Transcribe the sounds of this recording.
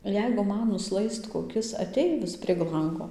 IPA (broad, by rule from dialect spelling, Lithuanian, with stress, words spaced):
ˈjɛɪɡʊ ˈmɐn nʊˈslˠɐɪst koːˈkʲɪs ɐˈtʲɛɪʋʲɪs pʲrʲiɛk ˈlˠɐŋɡoː